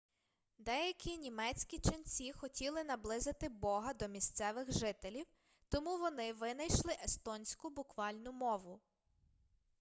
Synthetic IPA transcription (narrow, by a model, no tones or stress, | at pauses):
d̪ɛjɐkʲinʲimɛt͡sʲkʲit͡ʃɐnt͡sʲixɔtʲilˠɪnɐblˠɪzɪt̪ɪbɔɦɐd̪ɔmʲist̪sɛʋɪɣʒɪt̪elʲiw | t̪ɔmuʋɔnɪʋɪnɐjʃlˠɪʔest̪ɔnʲsʲkʊbʊkʋɑlʲnʊmɔʋʊ